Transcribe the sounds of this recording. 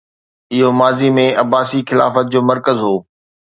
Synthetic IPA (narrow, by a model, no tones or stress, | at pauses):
ɪɦomaːzimẽʔɐbaːsixɪla̰ːfət̪̚d͡ʑoːmɐɾkəzɦoː